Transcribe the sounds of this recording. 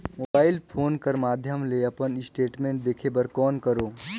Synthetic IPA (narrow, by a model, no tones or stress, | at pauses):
moːbaːɪlpʰoːnkəɾmaːd̪ʱjəmleɐpənɪsʈeːʈmẽːɳʈ̚d̪eːkʰebəɾkɔːnkəɾoː